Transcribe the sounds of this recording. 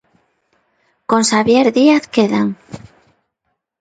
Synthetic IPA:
konsaβjeɾðiaθkeðaŋ

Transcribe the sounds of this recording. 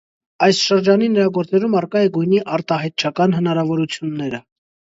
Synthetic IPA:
ɑjsʃəɾd͡ʒɑninəɾɑɡɔɾt͡sɛɾumɑrkɑjɛɡujniʔɑɾt̪ɑɦɑjt̪̚t͡ʃʰɑkɑnɦənɑɾɑvɔɾut͡sʰjunːɛɾə

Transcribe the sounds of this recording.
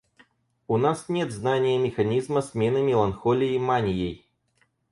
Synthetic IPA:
unasnʲet̪znanʲɪjəmʲɪxɐnʲizməsmʲenɨmʲɪlˠɐnxolʲɪjɪmanʲɪjej

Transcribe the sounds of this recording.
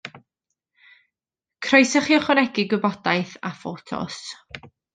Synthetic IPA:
kʰrɔjsəχiːɔχɔnɛɡɪɡwəbɔdajθa̰fotʰɔ̰s

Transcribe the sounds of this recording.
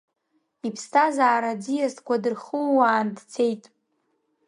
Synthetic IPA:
ipʰstʰazaːɾad͡zijastʰʼkʷadɨrχuwaːndt͡sʰe̞jtʼ

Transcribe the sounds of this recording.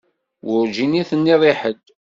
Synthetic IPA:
wʊɾʒiniθənːiðˤiħəd̪

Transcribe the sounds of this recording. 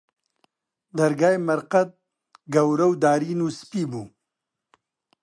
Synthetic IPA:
d̪aɾɡaːjmɐɾqat̪̚ | ɡɐwɾawd̪aːɾinuspibu

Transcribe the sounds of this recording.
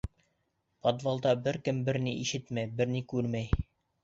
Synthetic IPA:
pod̪vɑlˠd̪ɑbɘɾkɘmbɘ̆ɾniʔiʃɘt̪mæjbɘɾnikʉɾmæj

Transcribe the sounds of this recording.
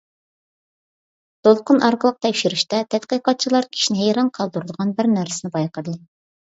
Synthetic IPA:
t̪ʰolˠqʊnʔɑɾqəlˠəq̚t̪ʰɛkʲʃyɾyʃt̪ɛt̪ʰɛt̪qijqɑt̪̚t͡ʃʰilˠɑɾkʲʰi̥ʃinɪɦejɾɑnqʰɑlˠd̪uɾɨd̪əʁɑnbɪɾnæɾsɪnɪbɑjqəd̪ɨ

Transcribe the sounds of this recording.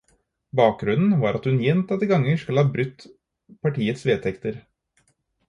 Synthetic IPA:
bɑːk̚ɡɾʉnn̩ʋɑːɾɑt̪hʉnjɛnt̪ɑt̪ːəɡɑŋːəʂkʉləhɑːbɾʉt̪ː | pʰɑʈiːət̪sʋeːt̪ʰɛkt̪əɾ

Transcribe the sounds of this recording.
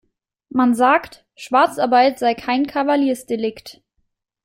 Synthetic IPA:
manzaːkt | ʃv̥aɐt͡saɐbaɪtz̥aɪkʰaɪnkʰavaliːɐsd̥elɪkt

